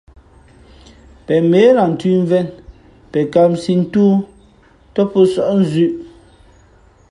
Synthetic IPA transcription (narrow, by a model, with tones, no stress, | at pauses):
pɛ˨me˨˦la˨n̩˨tʉ˦ɱ˦vɛ˦˨n | pɛ˨ka˨msi˦˨n̩˦tuː˦ | tɔ˦pɔ˦sɔ˦˨ʔn̩˦zʉ˦ʔ